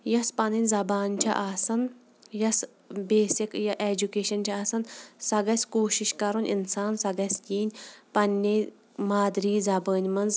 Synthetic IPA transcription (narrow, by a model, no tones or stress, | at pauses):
jɐspɐninʲzɐbaːnʲt͡ʃʰɐ̰ʔaːsɐn | jɐs | beːsikjɐʔed͡ʒukeːʃɐnt͡ʃʲʰɐaːsɐnsɐɡɐsʲkoːʃiʃkɐɾunʲḭnsaːnsɐɡɐsʲkiːnʲpɐnʲːeː | maːd̪ɾiːzɐbəːnʲmɐnz